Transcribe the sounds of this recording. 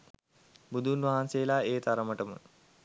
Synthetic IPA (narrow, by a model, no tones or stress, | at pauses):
bud̪ʱunʋaɦansejəlaːeːt̪aɾəməʈəmə̰